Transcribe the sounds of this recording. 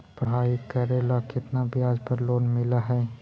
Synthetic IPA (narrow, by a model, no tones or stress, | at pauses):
pɾɐɦaːikɐɾelakɪt̪nabʱiaːd͡ʒpɐɾloːnmɪlaɦɛː